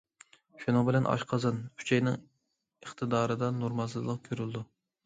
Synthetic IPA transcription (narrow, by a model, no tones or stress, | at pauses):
ʃunɨŋbɪlɛnʔɑ̰ʃqʰɑzɨnkʰy̥t͡ʃʰɛjnɨŋ | əχt̪ʰɨd̪ɑːɾɨd̪ɑnuɾmɑzɨzlˠəq̚kʲʰøɾyld̪u